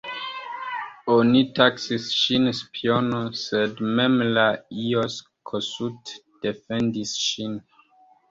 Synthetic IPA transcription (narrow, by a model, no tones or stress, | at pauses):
onitaksisʃinspʰionosedmemlaios | kʰosut | d̥efendisʃin